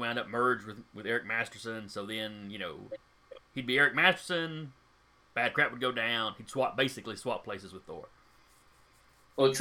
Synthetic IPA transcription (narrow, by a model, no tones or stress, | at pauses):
wãʊ̃ndʌp̚mɜ˞d͡ʒwɨðwɨðɛɹɨk̚mæstə̥˞sɨ̃nsoʊðɨ̃njɨñoʊ | hid̚biɛɹɨk̚mæstə̥˞sɨ̃n | b̥æd̚kʰɹ̥æp̚wəd̚ɡoʊdãʊ̃nid̥swɑp̚b̥eɪsɨkliswɑp̚pʰl̥eɪsɨzwɨð̥θɔ̰ɹ